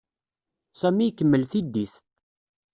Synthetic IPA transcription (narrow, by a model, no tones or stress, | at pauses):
sæmikːəmːəlθid̪ːiθ